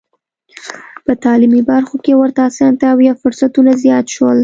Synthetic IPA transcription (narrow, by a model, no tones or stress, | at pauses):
pət̪ɑlimibaɾxokewəɾt̪asɑnt̪aːwjɑfʊɾsat̪unazjɑt̪ʃwəl